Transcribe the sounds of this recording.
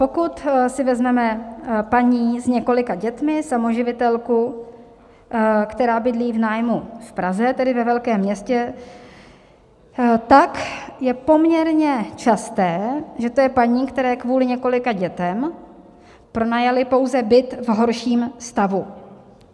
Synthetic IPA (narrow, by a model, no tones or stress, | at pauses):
po̞kut̪sɪvɛzmɛmɛpaɲiːzɲɛko̞lɪkaɟɛt̪mɪsamo̞ʒɪvɪt̪ɛlku | kt̪ɛɾaːbɪdliːvnaːjmufpɾazɛt̪ɛdɪvɛvɛlkɛːmːɲɛscɛ | t̪akjɛpo̞mɲɛɾɲɛt͡ʃast̪ɛːʒɛt̪ojɛpaɲiːkt̪ɛɾɛːkvuːlɪɲɛko̞lɪkaɟɛt̪ɛm | pɾo̞najalɪpo̞wzɛbɪt̪vɦo̞ɾʃiːmst̪avu